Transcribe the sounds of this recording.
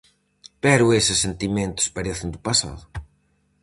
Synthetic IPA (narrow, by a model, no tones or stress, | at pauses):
pɛɾʊesɪsːent̪imẽnt̪ʊ̥spaɾeθɪnd̪upasa̰ðʊ